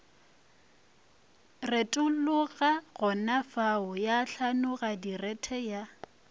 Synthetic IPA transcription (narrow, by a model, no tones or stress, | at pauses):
retʼʊlʊɣaɣʊnafaʊjaɬanʊɣadirɛtʰɛja